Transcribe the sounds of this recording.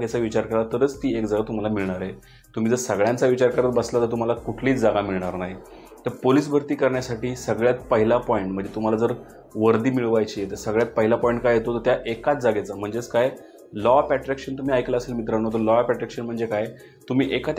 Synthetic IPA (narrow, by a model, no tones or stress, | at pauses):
ɡet͡saʋit͡ɕaɾkəɾat̪əɾət͡st̪iːekd͡zaɡat̪um̤alamiɭɳaɾe | t̪um̤iːd͡zəɾsəɡɭjãnt͡saʋit͡ɕaɾkəɾat̪̚bəslat̪əɾt̪um̤alakuʈʰliːt͡sd͡zaɡamiɭɳaɾnaɦi | t̪əɾpoliːs̬bʱəɾt̪iːkəɾɳjasaʈiːsəɡɭjat̪̚pəɦilapɔiɳʈm̤əɳd͡zet̪um̤alad͡zəɾ | ʋəɾd̪iːmiɭʋajt͡ɕiːet̪əsəɡɭjat̪̚pəɦilapɔjiɳʈ̚kajɦet̪ot̪əɾt̪jaʔekat͡sd͡zaɡet͡sam̤əɳd͡zet͡skaj | lɔpæʈɾækɕənt̪um̤iːajklaəselmit̪ɾaɳ̃ñoɦot̪əlɔpæʈɾækʂənm̤əɳd͡zekaj | t̪um̤iːʔekat̪